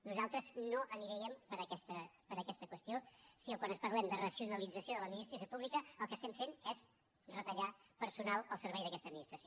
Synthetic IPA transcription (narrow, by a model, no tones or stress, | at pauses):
nuzalˠt̪ɾəznoʔəniɾɛɛmpəɾəkɛst̪əpəɾəkɛst̪əkwəst̪ijosiəkwanəspəɾlɛmd̪ərəsiunəlid͡zəsioðələd̪minist̪ɾəsjopuβlikəːlˠkəst̪ɛmfenɛz | rət̪əʎapəɾsunalˠəlˠsəɾβɛjðəkɛst̪əd̪minist̪ɾəsjo